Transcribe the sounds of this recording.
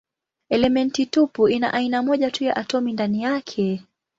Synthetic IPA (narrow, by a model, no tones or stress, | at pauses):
ɛlɛmɛntitupuina̰ʔainamɔʄatujaʔatɔmindanijakʰɛ